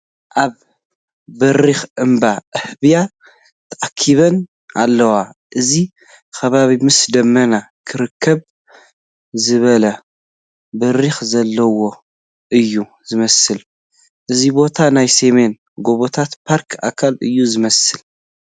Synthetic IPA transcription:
ʔaβ | bɐɾixʔɨmbaʔɨhbija | t̪ʰɐʔakʰːiβɐn | alːɐwaʔɨzi | kɐβaβimɨsd̪ɐmːɐnakʰɨɾɨkʰːɐβ | zɨβɐlɐ | bɐɾixzɐlːɐwo̞ | ʔɨjːu | zɨmɐsɨl | ʔɨzibo̞t̪ʰanajseme̞n | ɡo̞βot̪ʰat̪pʰaɾkʰa̰kʰalɨjːuzɨmɐsɨl

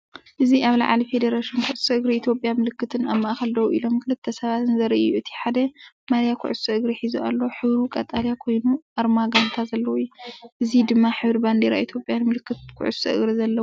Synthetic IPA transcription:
ʔɨziʔaβla̰ʕalife̞d̪ɐɾaʃinkʰʊʕsɐʔɨɡɾiit̪ʰjo̞pʼjamɨlɨkːɨt̪ʰɨnaβmɐʔaxɐld̪ɐwuʔilo̞mkʰɨlɨt̪ʰːɐsɐβat̪ɨnzɐɾʔijuɨt̪ʰi̥ħad̪ɐ | malijakʰʊ̰ʕussɐʔɨɡɾiħizua̰lːɐħɨβɾukʼɐt̪ʼaljakʰo̞jnuʔaɾmaɡant̪ʰazɐlːɐwujːuʔɨzid̪ɨmːaħɨβɾband̪eɾa̰it̪ʰjo̞pʼjanmɨlɨkːɨt̪̚kʰʊ̰ʕṵssɐʔɨ̰ɡɾizɐlːɐwu

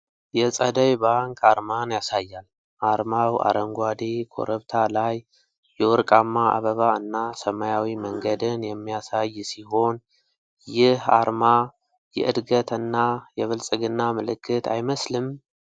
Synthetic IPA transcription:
jɛsʼəd̪əjbaŋkʼaɾmanjasajːal | ʔaɾmawa̰ɾəŋɡʷad̪ekʰo̞̰ɾəβt̪ʰalajː | ɛwɔɾkʼamːaʔa̰βəβaɨnːasəmajawiməŋɡəd̪ɨnjɛmːijasajːsiho̞n | jɪha̰ɾma | jɛ̰ʔɨd̪ɡət̪ɨnːajɛβɨlsʼɨɡɨnːamɨlɨkʰːɨt̪ʰa̰jməslɨm

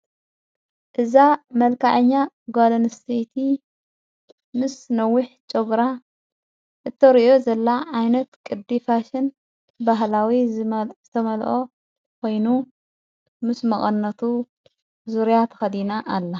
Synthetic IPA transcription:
ʔɨzamɐlkʰaʕɨɲːa | ɡolɐnst̪ʰejt̪ʰi | mɨsnɐwːʊħt͡ʃʼoɡɾa | ʔɨt̪ʰːɐɾiʔozɐlːaʕajnɐt̪kʼɨd̪ːifaʃɨn | baɦlawiz̥ɨt̪ʰɐmɐlʔo | kʰo̞jnu | mɨsmɐχʼɐnːɐt̪ʰu | zuɾjat̪ʰɐ̥xɐd̪inaʔːlːɐ

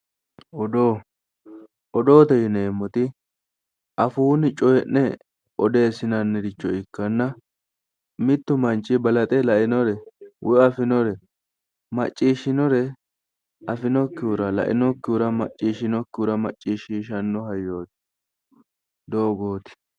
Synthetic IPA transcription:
ɔd̪oː | ʔɔd̪o̞ːt̪ɛjɪne̞ːmːɔt̪ɪ | ʔɐfuːnɪt͡ʃʼɔjɛnːɛ | ʔɔd̪e̞ːsɪnɐnːɛd̪ɪt͡ʃːɔɪkːɐnːɐ | mɪt̪ːʊmɐnt͡ʃʼːɪbɐlɐt̪ʼɛlɐʔɪnɔɾɛwʔʊɐfɪnɔɾɛ | mɐt͡ʃʼːiːʃːɪnɔɾɛ | ʔɐfɪnɔkːɪuɾɐlɐ̰ʔɪ̰nɔkːɪuɾɐmɐ̰t͡ʃʼːiːʃːɪnɔkːɪuɾɐmɐt͡ʃʼːiːʃiːʃɐnːɔɦɐjːo̞ːt̪ɪ̥ | d̪oɔɡoːt̪ɪ̥

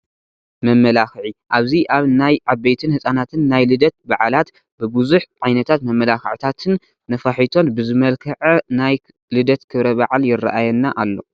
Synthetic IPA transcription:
mɐmːɐlaxʕiʔaβziʔaβnajʔabːejt̪ʰɨnhɨsʼanat̪ʰɨnːajlɨd̪ɐt̪̚baʕlat̪ | bɨbuzuħʕajnɐt̪ʰat̪mɐmːɐlaxʕt̪ʰat̪ʰɨn | nɐfaħit̪ʰo̞nbɨzɨmɐlkʰɐʕɐnaj | lɨd̪ɐt̪kʰɨβɾɐbaʕaljɪrːa̰ʔajɛnːaʔalːo̞̰

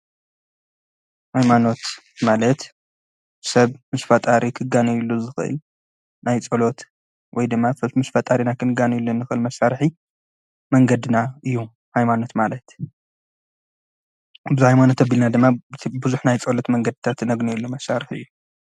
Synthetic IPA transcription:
hajmano̞t̪ | malɐt̪ | sɐβmɨsfɐt̪ʼaɾʔikʰɨɡanɐjulːuzɨxɨʔɨ̰l | najt͡sʼɐlo̞t̪ | wɔjd̪ɨmːafmɨsfɐt̪ʼaɾinakʰɨnɨɡanɨjulːonːɨxɨʔɨlmɐsaɾħi | mɐŋɡɐd̪ɨnaɨjːu | hajmano̞t̪malɐt̪ | bɨzihajmano̞t̪ɐbilnad̪ɨmːabɨzuħnajt͡sʼɐlo̞t̪mɐŋɡɐd̪ɨt̪ʰat̪nɐɡnojilːumɐsːaɾɨħɨ̰jːu

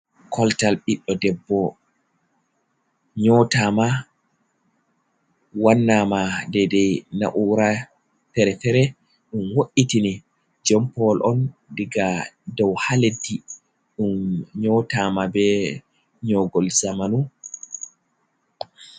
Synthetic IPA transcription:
kʰɔltalɓiɗːɔdɛbːɔ | ɲɔtama | wanːamadɛdɛjna̰ʔuɾa | tɛɾɛtɛɾɛ | ɗumwoʔitini | d͡ʒɔmpɔlʔɔndiɡadɔwhaledːi | ɗumɲɔtamabɛ | ɲɔɡɔlzamanu

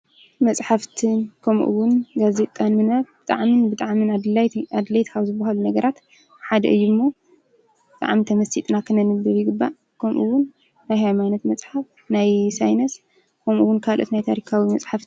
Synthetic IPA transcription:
mɐt͡sʼħaft̪ʰɨnkʰɐmʔṵwʊnɡaze̞t̪ʼːanmɨnat̪̚bɨt̪ʼa̰ʕminbɨt̪ʼaʕminad̪laad̪lɐjt̪kʰaβzɨbɐɦalunɐɡɐɾat̪ | ħad̪ɐ̰ʔɨjːumːo | bɨt̪ʼa̰ʕmit̪ʰɐmɐsit̪ʼnakʰɨnɐnɨbɨβjɪɡɨbːa | kʰɐmʔuwʊnː | ajhajmanɐt̪mɐt͡sʼħaf | najsajnɐs | kʰɐmʔuwʊnkʰalʔo̰t̪najt̪ʰaɾikʰawimɐt͡sʼħaft̪

